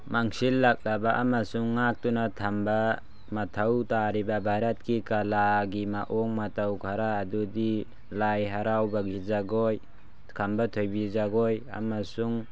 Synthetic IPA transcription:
maŋsilːak̚labaʔamasuŋːak̚tunatʰamba | matʰawtaɾibabʱaɾat̚kikalaɡimaʔɔŋmatawkʰaɾaːdudi | lajɦaɾawbaɡizaɡɔj | kʰambatʰojbizaɡɔja̰masuŋ

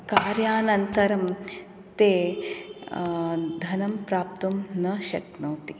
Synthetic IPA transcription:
kaːɾjaːnɐnt̪ɐɾɐm | t̪eː | d̪ʱɐnɐmpɾaːp̚t̪umnɐʃɐknoːt̪i

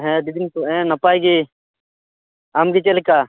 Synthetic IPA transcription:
ɦɛ̃d̪id̪intɔɛ̃napajɡi | amɡit͡ʃɛlika

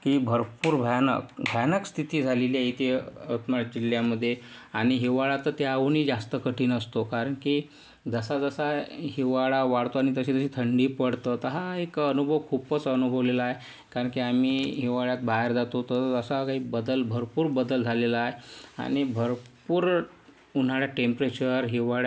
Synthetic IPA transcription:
kiːbʱəɾpuːɾbʱjnə̰kbʱəjnəkst̪ʰit̪iːd͡zʱaleliait̪ʰeət̪məd͡ʑiljaməd̪ʱːjea̰ɽ̃iɦiʋaɭat̪ət̪aaʋuːniːd͡zast̪əkəʈiːnəst̪okaɾəɳkiː | d͡zəsad͡zəsaɦiʋaɭaʋaɽt̪oaɽ̃it̪əɕiːt̪əɕiːt̪ʰəɳɖiːpəɽt̪ət̪əɦaekənubʱəʋkʰupət͡sənubʱəʋlelaaɦe | kaɾəɳkiːamiːɦiʋaɭjat̪̚bʱaeɾd͡zat̪ot̪əəsakaɦiːbəd̪əlbʱəɾpuːɾbəd̪əld͡zʱalelaaɦea̰ɽ̃ibʱəɾpuːɾ | un̤aɭjaʈempɾet͡ɕəɾɦiʋaɭa

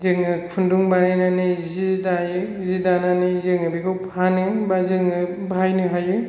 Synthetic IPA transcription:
zɯŋɯpʰunduŋbaɾajnanɯzidajɯ | zidananɯzɯŋɯbikʰɯwpʰanɯbazɯŋɯ | bʱajnɯɦajɯ

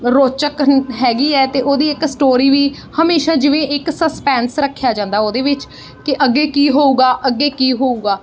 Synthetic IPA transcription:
ɾoːt͡ʃəkɦɛːɡiːɛːt̪eːʔoːd̪iːɪksʈoːɾiːʋiː | həmeːʃaːd͡ʒɪʋẽːʔɪksəspɛ̃ːnsɾəkʰːjaːd͡ʒãːnd̪aːoːd̪eːʋɪt͡ʃ | kɪʔəɡːeːkiːɦoːuːɡaːʔəɡːeːkiːɦoːuːɡaː

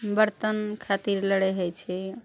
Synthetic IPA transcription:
bəɾt̪ənkʰat̪iɾləɽɛjɦojt͡ʃʰɛ

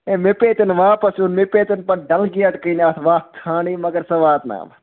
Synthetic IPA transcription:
ẽmepeːt̪ɐnʋaːpɐsunmepeːt̪ɐnpɐnɖɐlɡiɐʈkəinɐt̪ʰʋaːt̪ʰaːɽ̃imɐɡəɾsɐʋaːt̪na̰ːm

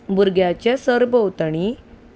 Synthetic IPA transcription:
buɾɡjat͡ɕasəɾbəwt̪əɳ̃i

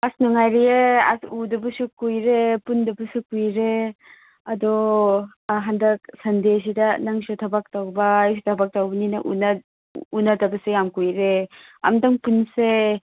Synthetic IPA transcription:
asnuŋajɾieasudɐbusukujɾepundɐbusukujɾe | ɐdɔ | ɦandɐk̚sɐndes̬idɐnɐŋsutʰɐbak̚tawbɐs̬tʰɐbak̚tawbɐninɐ̰ʔṵn | unɐdɐbɐsejamkujɾeɐ̰mdɐŋpunse

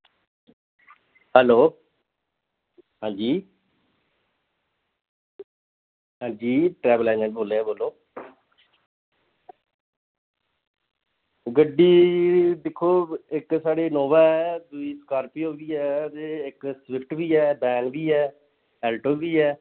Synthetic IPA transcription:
ɦɛloː | ɦãːd͡ʒiː | ɦãːd͡ʒiːʈɾɛːbəlɛ̃ːnə̃ːnboːleːboːloː | ɡəɖiːd̪ɪkʰːoːɪksaːɽeːnɔːʋaːɛːd̪ʊiːskaːɾpiːɦoːɡiːɛːt̪eːɪksʋɪpʰʈʋiːɛːbɛ̃ːŋɡbiːɛː | ɛːlʈoːɡiːɛː

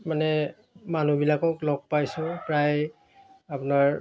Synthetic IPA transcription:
manɛ | manubilakɔklɔk̚pajsʊ̃pɹaj | apʊnaɹ

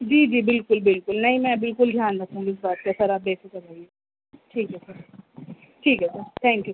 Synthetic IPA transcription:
d͡ʒiːd͡ʒiːbɪlkʊlbɪlkʊlnɐɦĩmɛ̃bɪlkʊld̪ʱjaːnɾɐk̚ʰt̪ãɦũɪsbaːt̪̚kasɐɾaːp̚beːsɪkɐd͡ʒaːie | ʈʰiːkɦɛsəɾ | ʈʰiːkɦɛsəɾt̪ʰɛ̃ːŋkju

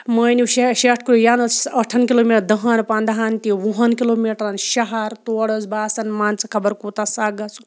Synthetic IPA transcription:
məjniwʃeʃeʈʰkuɾujaːnɐt͡sɐʈʰːɐnkiloːmiʈd̪ɐɦɐnpaːnd̪ɐɦant̪iʋuɦɐnkiloːmiʈɾɐnʃɐɦɐɾt̪oːɽəzbaːsɐnmaːnt͡sɐkʰɐbɐɾkuːt̪asaːɡɐt͡su̥

